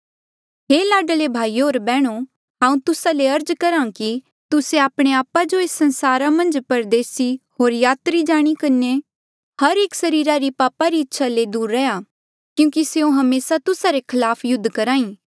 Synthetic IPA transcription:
ɦeːlaːɖəlebʱaːioːɾbɛːɽ̃o | ɦãːũt̪ʊsaleɐɾd͡ʒkɐɾãːki | t̪ʊseaːpɽ̃eaːpad͡ʒoeːsːɐ̃nsaːɾamɐ̃nd͡ʒpɐɾd̪eːsiɦoːɾjaːt̪ɾid͡ʒaːɽ̃ikɐne | hɐɾeːksɐɾiːɾaɾipaːpaɾiɪtːʃʰaled̪uːɾːɛjaː | kjũːkiseõɦɐmeːsat̪ʊsaɾekʰɐlaːpʰjʊd̪ʱːkɐɾãːĩː

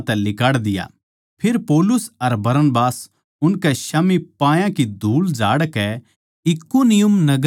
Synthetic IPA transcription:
t̪ɛlɪkaːɽd̪ɪja̰ | pʰɪɾpɔːlʊsɐɾbɐɾənbaːs | ʊnkɛʃɐmipãːjãkid̪ʱuːld͡ʒaːɽkɛ | ɪkunɪjʊmnɐɡ

